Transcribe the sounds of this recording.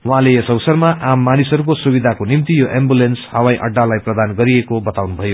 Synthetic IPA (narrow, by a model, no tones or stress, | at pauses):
wɦãlejʌsʌwsʌrmaʔamːanisɦʌɾukosubid̪ʱakonimt̪ijoʔembulenshawaj̃ʔʌ̰ɖːalajprʌd̪anɡʌɾiekobʌt̪awnubʱʌjo